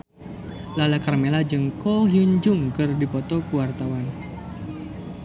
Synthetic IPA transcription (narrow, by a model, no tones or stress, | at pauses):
lalakarmelad͡ʒɨŋkɔɦiuɲd͡ʒʊŋkɨrdipɔt̪ɔkuwart̪awan